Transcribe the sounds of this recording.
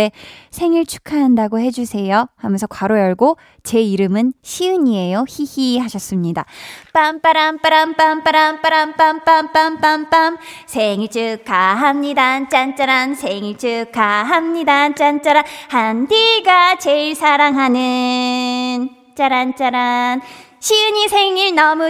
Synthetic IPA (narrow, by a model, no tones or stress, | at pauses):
esʰe̞ŋiɭt͡ɕʰu̥kʰaɦandaɡohe̞d͡ʑusʰe̞johamjʌnsʰʌkwaɾojʌɭɡo | t͡ɕe̞iɾɯmɯnɕʰiɯɲie̞joçihihaɕʰʌs͈ɯmɲida̰p͈amp͈aɾamp͈aɾamp͈amp͈aɾamp͈aɾamp͈amp͈amp͈amp͈amp͈amsʰeŋit͡ɕɯkkːaɦamɲidant͡ɕ͈ant͡ɕ͈aɾansʰeŋiɭt͡ɕɯk͈aɦamɲidant͡ɕant͡ɕ͈aɾanhandiɡat͡ɕe̞iɭsʰaɾaŋɦanɯ | n | t͡ɕ͈aɾant͡ɕ͈aɾan | ɕʰiɯɲisʰe̞ŋiɭnʌmu